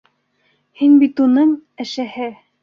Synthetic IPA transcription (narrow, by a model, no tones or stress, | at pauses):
hinbit̪unɤɴæ̆ʃæhɘ